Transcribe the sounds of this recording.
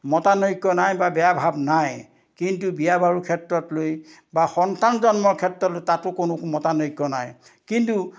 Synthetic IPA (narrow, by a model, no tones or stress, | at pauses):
mɔtanoikːɔnajbabɛjabʱabnaj | kintubijabaɹukʰɛtɹɔtloj | baxɔntanzɔnmɔɹkʰɛtɹɔtlojtatʊkʊnʊkmɔtanoikːɔna̰j | kintu